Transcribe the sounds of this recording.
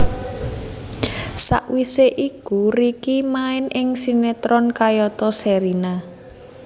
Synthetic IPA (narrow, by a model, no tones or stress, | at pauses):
sa̰ʔwiseʔikurikimaɪnʔɪŋsinet̪ɾɔnkajɔt̪ɔsɛɾina